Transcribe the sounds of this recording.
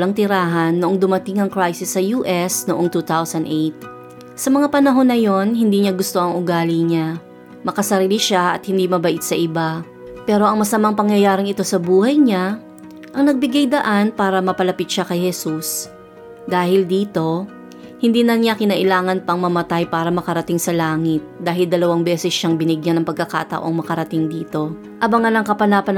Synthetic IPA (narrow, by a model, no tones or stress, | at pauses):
lɐŋt̪ɪɾaːɦɐnːoʔoŋd̪ʊmɐt̪ɪŋɐŋkɹajsɪsːɐjuːʔɛsnoʔo̞ŋt̪uːt̪awsɐnd̪ʔejt̪̚ | sɐmɐŋapɐnɐɦo̞nːɐjo̞nhɪnd̪iːɲaɡʊst̪oʔɐŋʔʊɡaːliɲa | mɐkɐsɐɾiːliʃaʔɐ̰t̪̚hɪnd̪imɐbɐʔɪt̪̚sɐʔɪba | pɛːɾo̞ʔɐŋmɐsɐmaŋpɐŋjɐjaːɾɪŋɪt̪o̞sɐbuːhɐjɲa | ʔɐŋnɐɡ̚bɪɡajd̪ɐʔanpaːɾɐmɐpɐlɐpɪt̪̚ʃakɐjhɛsus | d̪aːhɪld̪iːt̪o̞ | hɪnd̪iːnɐnjakɪnɐʔɪlaːŋɐnpɐŋmɐmɐt̪ajpaːɾɐmɐkɐɾɐt̪ɪŋsɐlaːŋɪt̪̚d̪aːɦɪld̪ɐlɐwaŋbɛːsɛsʃaŋbɪnɪɡjanɐŋpɐɡ̚kɐka̰ːt̪ɐ̰ʔo̞̰ŋmɐkɐɾɐt̪ɪŋd̪iːt̪o̞ | ʔɐbɐŋɐnɐŋkɐpɐnaːpɐn